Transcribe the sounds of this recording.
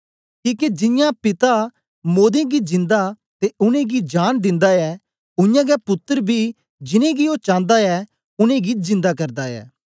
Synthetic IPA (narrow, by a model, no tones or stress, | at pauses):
kiːked͡ʒɪ̃jãpɪt̪a | moːd̪ẽɡid͡ʒɪ̃nd̪a | t̪eʊnẽɡid͡ʒaːnd̪ɪ̃nd̪aɛ | ʊjãɡɛpʊt̪ːəɾbʱi | d͡ʒɪnẽɡioːt͡ʃãːnd̪aɛ | ʊnẽɡizɪ̃nd̪akɐɾd̪aɛ̰ː